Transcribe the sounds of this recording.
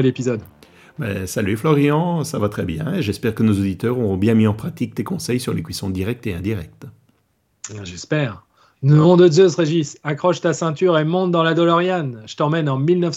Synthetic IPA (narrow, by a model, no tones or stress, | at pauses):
lepizɔd̪ | bɛ̰salyflɔʁiɑ̃savat̪χɛbjɛ̰̃eʒɛspɛʁkənozod̪it̪œʁɔʁɔ̃bjɛ̃miɑ̃pχat̪ik̚t̪ekɔ̃sɛjsyʁlekɥisɔ̃d̪iʁɛk̚t̪eɛ̃d̪iʁɛk̚t̪ | ɛ̃ʒɛspɛːʁ | nəɔ̃d̪əzøsʁeʒisakχɔʃt̪asɛ̃t̪yʁemɔ̃t̪̚d̪ɑ̃lad̪ɔlɔʁjanʒət̪ɑ̃mɛnɑ̃milnəf